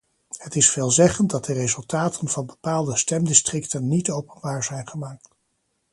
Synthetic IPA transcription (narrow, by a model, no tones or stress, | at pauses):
hətɪsfeːlˠzɛχənt̚dɑt̚dərejzɵlˠtaːtʰənvɑnbəpaːlˠdəstɛmdɪstrɪktənːitowpənbaːɹzɛjnχəmaːk̚t